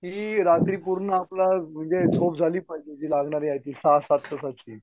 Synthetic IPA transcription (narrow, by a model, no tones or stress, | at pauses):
ɦiːɾat̪ɾiːpuɾɳəaplam̤əɳd͡zet͡sʰopd͡zʱaliːpajd͡ʑed͡ʑiːlaɡɳaɾiːajt̪iːsasat̪ːəsat͡ɕiː